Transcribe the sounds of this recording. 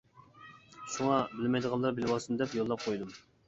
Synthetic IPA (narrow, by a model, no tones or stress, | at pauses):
ʃuŋɑbɪlmɛjd̪əʁɑlˠːɑɾbɪlwɑsɨnd̪ɛpjolˠːɑp̚qʰojd̪um